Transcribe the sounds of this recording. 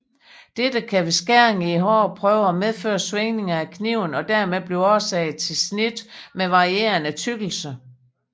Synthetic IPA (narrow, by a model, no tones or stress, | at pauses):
d̥ed̥əkʰæʋe̝sɡ̥æɐ̰ŋiɦɒ̰ːpʰʁœːʊəæmeð̞ˠfø̰ːɐsʋeŋne̝ŋɐækʰniʊnɒ̽d̥æɐmeðˠb̥liɒɐsɛɪð̩ˠt͡sʰe̝lsnid̥meʋɑ̈ʁie̝̰ːɐnæt͡sʰyɡ̥l̩sə